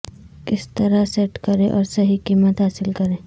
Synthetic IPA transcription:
kɪst̪ɐɾasɛʈkɐɾẽʔɔːɾsɐɦikiːmət̪ɦaːsɪlkɐɾẽː

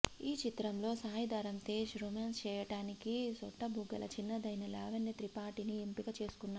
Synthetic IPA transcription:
iːt͡ʃit̪ɾɐmlo̞ːsaːjɐd̪ɐːɾɐmt̪eːʃɾumeːnst͡ʃɛːjɐʈaːnikisɔʈːɐbʱuɡɐlɐ̰t͡ʃinːɐd̪ɐjnɐlaːʋɐnːɐt̪ɾipaːʈiniempikɐt͡ʃe̞ːsu̥kunːaː

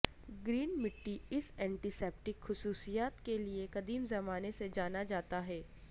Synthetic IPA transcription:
ɡɾiːnmɪʈːiɪsɛ̃ːɳʈisɛːp̚ʈɪkxʊsuːsijaːt̪keliekɐd̪iːmzɐmaːnesed͡ʒaːnad͡ʒaːt̪aɦɛː

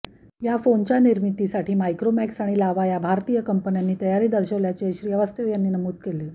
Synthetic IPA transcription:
jafont͡ɕjaniɾmit̪isaʈʰiːmajkɾomæksaɽ̃ilaʋajabʱaɾt̪iːjəkəmpənjanːiːt̪əjaɾiːd̪əɾɕəʋljat͡seɕɾijəʋast̪əʋjanːiːnəmuːd̪̚kele

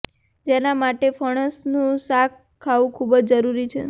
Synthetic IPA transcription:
d͡ʒenamaʈefəɽ̃əsnũsak | kʰːaʋũkʰubəd͡ʒd͡ʒəɾuɾit͡ʃʰḛ

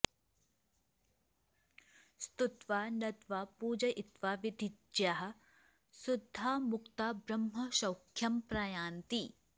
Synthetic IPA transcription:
st̪ut̪ʋaːnɐt̪ʋaːpuːd͡ʒɐʔit̪ʋaːʋid̪id͡ʒjaːɦɐ̆ | sud̪ʱːaːmukt̪aːbɾɐmɦɐʃɐwkʰjɐmpɾaːjaːnt̪i

